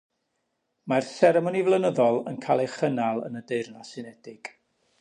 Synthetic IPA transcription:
marθɛɾɛmɔnivlˠənəðɔlˠənkʰalˠeχənalˠə̰nədeɨrnasɨnɛdɪɡ̥

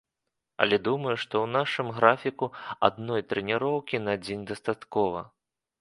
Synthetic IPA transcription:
ɐ̰lʲɛd̪umɐjuʂt̪ɔwnaʂɨmɣɾafʲikua̰d̪nɔjt̪ɾɛnʲɛɾɔwkʲinad͡zʲenʲd̪ɐst̪at̪kɔvɐ̰

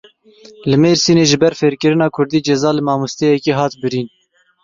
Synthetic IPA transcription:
lɨmeːɾsiːneːʒɪbɛɾfeːɾkɨɾɪnɑːkʰʊɾd̪iːd͡ʒɛzɑːlɨmɑːmust̪ɛjɛkiːɦɑːt̪bɨɾiːn

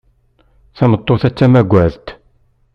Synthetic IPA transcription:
θæmət̪ˤːoθæt͡sːæmæɡʷːæðt̪

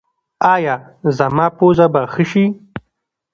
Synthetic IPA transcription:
aːja | zɐmaːpoːzabaxəʃi

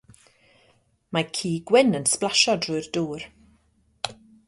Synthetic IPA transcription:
makʰiːɡwɪnənsplˠaʃɔdrʊːɨrduːr

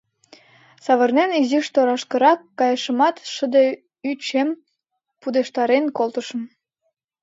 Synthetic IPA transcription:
sɑβə̆rneniziʃt̪oɾɑʃkə̆ɾɑkːɑjəʃəmɑt̪ʃə̆d̪e | yt͡ɕem | pud̪eʃt̪ɑɾenkolt̪ə̆ʃə̆m

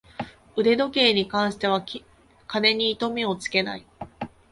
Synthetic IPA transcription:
ɯ̟ɾe̞d̪o̞ke̞ːɲ̟ikãɰ̃ɕi̥t̪e̞β̞a | kane̞ɲ̟iːt̪o̞mʲeo̞t͡sɨ̥ke̞na̰i

